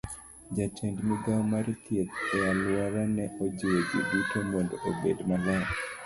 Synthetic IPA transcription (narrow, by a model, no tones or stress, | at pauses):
d͡ʒat͡ʃɛndmiɡawmaɾt̪ʰjet̪ɛjalwaɾanɛʔod͡ʒiwed͡ʒḭdutomondoʔobedmala